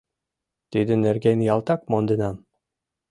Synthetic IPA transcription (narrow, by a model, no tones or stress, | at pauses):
t̪id̪ɘneɾɡʲenjɑlˠt̪ɑk̚mond̪ɤ̆nɑm